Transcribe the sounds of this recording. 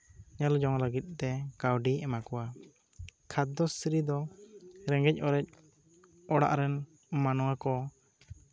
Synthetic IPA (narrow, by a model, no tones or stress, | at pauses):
ɲalɔd͡ʒɔŋləɡit̪̚ˀt̪ɛkawɖiɛmakɔwa | kʰat̪̚d̪ɔsɾid̪ɔɾɛŋɡɛc̚ˀɔɾɛc̚ | ɔɽa̰ʔɾɛn | manɔwakɔ